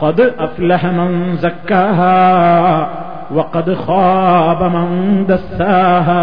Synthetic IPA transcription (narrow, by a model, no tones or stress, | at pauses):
qɑd̪ʔaflaɦamanzakːaːɦaː | wɐqɑd̪xɑːbamɪnd̪asːaːɦaː